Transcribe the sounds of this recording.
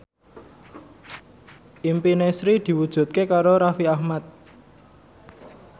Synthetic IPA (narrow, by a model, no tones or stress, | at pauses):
ʔimpinesɾid̪̥i̤wud̥ʒ̥ṳt̪̚kekaɾoɾafiahmat̪̚